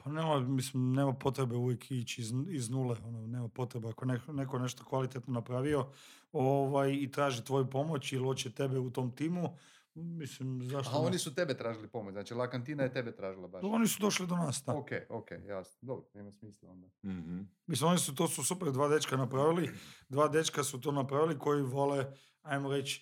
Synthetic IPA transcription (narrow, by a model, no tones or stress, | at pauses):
paneːmamislimne̞ːmapo̞t̪ɾebe̞uʋjekʰit͡ɕiziznuːleononeːmapo̞t̪ɾebeakojenenekone̞ʃt̪okʋalit̪et̪nonapɾaʋio̞ | oʋajit̪ɾaːʒit̪ʋo̞jupo̞mo̞t͡ɕilot͡ɕet̪e̞beut̪o̞mt̪iːmu | mislimzaʃt̪oaonisut̪ebet̪ɾaːʒilipomoznaːt͡ʃilˠakant̪iːnajet̪ebet̪ɾaːʒilˠabao̞nisud̪o̞ʃlid̪onaːst̪aokḛokḛjja̰snod̪obɾoneːmasmiːslo̰nd̪ah̩mislimo̞nisut̪oːsusupeɾd̪ʋaːd̪et͡ʃkanapɾaʋilid̪ʋaːd̪e̞t͡ʃkasut̪onapɾaʋiliko̞jiʋo̞le | ajmoɾe̞t͡ɕ